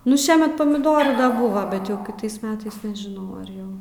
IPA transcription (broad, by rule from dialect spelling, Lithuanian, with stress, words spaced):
ˈnʊ ˈʃʲiɛmʲɛt pɐmʲɪˈdoːruː ˈbʊʋɐ bʲɛt ˈjɛʊ kʲɪˈtɐɪs ˈmʲæːtɐɪs nʲɛʒʲɪˈnɐʊ ɐr ˈjɛʊ